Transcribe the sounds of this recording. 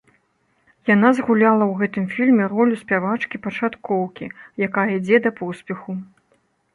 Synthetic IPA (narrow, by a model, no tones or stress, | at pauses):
janazɣulʲalˠɐwɣɛt̪ɨmfʲilʲmʲɛrɔlʲusʲpʲavat͡ʂkʲipɐt͡ʂat̪kɔwkʲijakajɐid͡zʲɛd̪ɐpɔsʲpʲɛxu